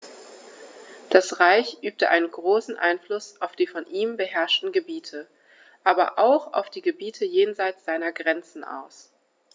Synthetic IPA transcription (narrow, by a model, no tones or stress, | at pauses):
d̥asʁaɪçʔyːp̚təʔa̰ɪnənɡʁoːsn̩ʔa̰ɪnflʊsʔaʊfd̥iːfɔnʔiːmbəɦɛɐʃtn̩ɡəbiːtʰə | ʔaːbɐ̰ʔaʊxa̰ʊfd̥iːɡəbiːtʰəjeːnzaɪt͡sz̥aɪnɐɡʁɛnt͡sn̩ʔa̰ʊs